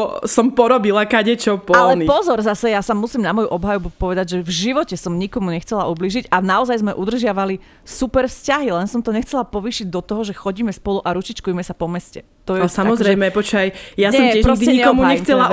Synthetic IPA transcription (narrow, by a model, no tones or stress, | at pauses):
sɔmpɔɾɔbilakaɟɛt͡ʃɔpɔalɛnipɔzɔɾzasɛjasamːusiːmnamɔjuʔɔbɦajɔbupɔʋɛd̪aɟʒɛvʒiʋɔcɛsɔmɲikɔmuɲɛxt͡sɛlaʔubliːʒiɟanaɔzajzmɛʔud̪r̩ʒɪaʋali | supɛɾfscaɦilɛnsɔmt̪ɔɲɛxt͡sɛlapɔʋiːʃiɟd̪ɔt̪ɔɦɔʒɛxɔɟiːmɛspɔluʔaɾut͡ʃit͡ʃkujmɛsapɔmɛscɛ | t̪ɔjɛsamɔzɾɛjmɛpɔt͡ʃajjasɲɛɔmɪɛʒɾɔɡd̪iɛɲiɲɛkɔmuɲɛxt͡sɛla